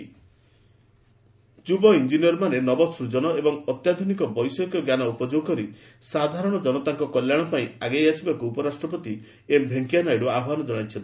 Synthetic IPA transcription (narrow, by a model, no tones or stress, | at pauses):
d͡ʒubɔind͡ʒinijɔɾɔmanenɔbɔsɾud͡ʒɔnɔebɔŋɔt̪jad̪ʱunikɔbɔjsɔkɔɡjanɔupɔd͡ʒoɡɔkɔɾi | sad̪ʱaɾɔɽ̃ɔd͡ʒɔnɔt̪aŋkɔkɔljaɽ̃ɔpaĩaɡejasibakuːpɔɾasʈɾɔpɔt̪i | embʱeŋkijanajɽuabʱanɔd͡ʒɔɽ̃ajt͡ʃʰɔnt̪